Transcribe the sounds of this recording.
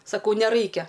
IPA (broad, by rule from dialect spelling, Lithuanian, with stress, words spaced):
sɐˈkɐʊ nʲɛˈrɐɪkʲɛ